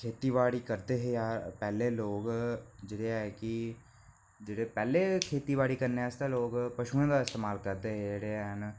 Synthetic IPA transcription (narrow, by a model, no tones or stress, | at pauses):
kʰeːt̪iːʋaːɽiːkəɾd̪eːɦejaːɾpɛːleːloːɡd͡ʒeːɽeːɛːkɪ | d͡ʒeːɽeːpɛːleːkʰeːt̪iːʋaːɽiːkəɾneːɛst̪eloːɡpəʃuːãːd̪aːɪst̪eːmaːlkəɾd̪eːɦed͡ʒeːɽeːən